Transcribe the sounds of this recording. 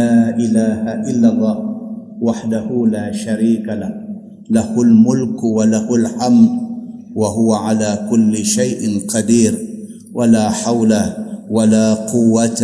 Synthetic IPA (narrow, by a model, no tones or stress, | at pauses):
aːʔɪlaːhaʔɪlːɑlˤːɑːh | waħd̪ahʊlaːʃaɾiːkalah | lahʊlmʊlkwalahʊlʕamɾ | waɦʊwaʕalaːkʊlːɪʃajʔɪqɑd̪iːɾ | walaːħawlawalaːqʊwːat̪